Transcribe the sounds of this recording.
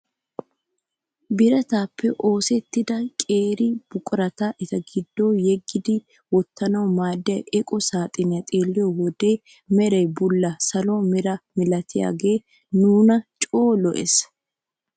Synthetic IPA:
bɪɾɐt̪aːpʰːɛʔo̞ːsɛt̪ːɪd̪ɐkʼeːɾɪb̥ʊkʼʊɾɐt̪aʔɪt̪ɐɡɪd̪ːo̞ːjɛɡːɪd̪ɪ | wɔt̪ːɐnɐwmaːd̪ɪɐʔɛkʼɔsaːt̪ʼɪnɪɐt̪ʼeːlːɪjɔwɔd̪e̞ː | mɛɾɛjbʊlːɐsɐlɔmɛɾɐmɪlɐt̪ʰɪja̰ːɡe̞ː | nuːnɐt͡ʃʼo̞ːlɔʔɛs

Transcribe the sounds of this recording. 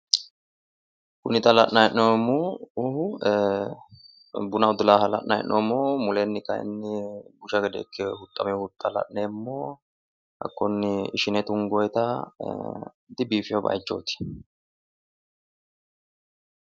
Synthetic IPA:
kʊnɪt̪ʼɐlɐʔnɐjɛʔnomuʊhʊ | bʊnɐʊd̪ʊlaːhɐlɐ̰ʔnɐjɛ̰nnʔoːmːoːmʊlɛnːɪkɐjɛ̰nːɪbʊʃɐɡɛd̪ḛkːɛhʊt̪ʼːɐmɛhʊt̪ʼːɐlɐ̰ʔneːmːoː | hɐ̰kːɔnːɪɪʃɪnɛt̪ʊŋɡɔjt̪ɐ | d̪ɪbiːfɪjɔbɐ̰jt͡ʃːo̰ːt̪ɪ̥

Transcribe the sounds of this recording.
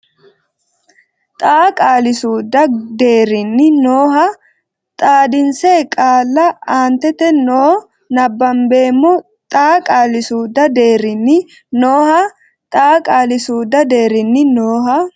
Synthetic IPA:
t̪ʼaːkʼaːlɪsuːd̪ɐd̪e̞ːɾɪnːɪnoːɦɐ | t̪ʼaːd̪ɪnseːkʼaːlːɐaːnt̪ɛt̪ɛnoː | nɐbːɐmbe̞ːmːɔ | t̪ʼaːkʼaːlɪsuːd̪ɐd̪e̞ːɾɪnːɪ | noːhɐ | t̪ʼaːkʼaːlɪsuːd̪ɐd̪e̞ːɾɪnːɪnoːɦɐ

